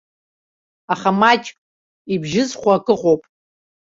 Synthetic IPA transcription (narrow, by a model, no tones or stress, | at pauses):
aχamat͡ʃʼ | ibʒɪzχʷaːkʼɨqʼowpʼ